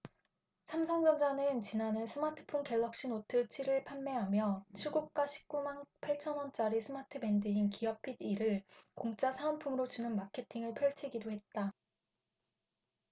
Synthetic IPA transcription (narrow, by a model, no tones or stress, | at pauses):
sʰamsʰʌŋd͡ʑʌnd͡ʑanɯnt͡ɕinanɯnsʰɯmatʰɯ̥pʰonke̞ɭːʌk̚ɕ͈inotʰɯt͡ɕʰiɾɯɭpʰanːe̞ɦamjʌt͡ɕʰiɭɡuk̚k͈aɕʰi̥p̚k͈umanpʰaɭt͡ɕʰʌnwʌnt͡ɕ͈aɾisʰɯmatʰɯbe̞ndɯinkiʌpʰidiɾɯɭkoŋt͡ɕ͈asʰaʌnpʰumɯɾot͡ɕunɯnmakʰe̞tʰiŋɯɭpʰjʌɭt͡ɕʰiɡidoɦe̞t̚t͈a